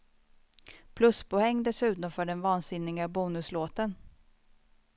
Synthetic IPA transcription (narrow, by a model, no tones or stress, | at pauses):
pʰlɵspʰɔɛŋːd̪ɛsʉ̟t̪nɔfœːɖɛnvɑːnsɪnːɪɡabuːnɵsloːt̪ən